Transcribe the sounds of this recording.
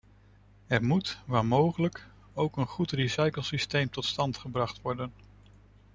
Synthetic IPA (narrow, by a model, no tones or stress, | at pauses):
ɛɹmutʋaːɹmowχələk | owkənχutrisɑjkəlˠsistejmtɔtstɑntχəbrɑχtʋɔɹdən